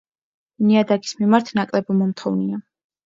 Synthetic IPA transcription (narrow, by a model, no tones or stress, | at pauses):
niad̪aɡi̥smimaɾt̪ʰnakʼlɛbɔmɔmt̪ʰχɔvnia